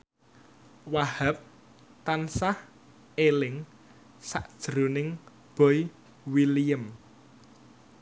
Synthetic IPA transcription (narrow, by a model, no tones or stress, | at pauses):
wahəp̚ | t̪ansah | elɪŋ | saʔd̥ʒ̥ɾunɪŋ | b̥ɔj | wiliəm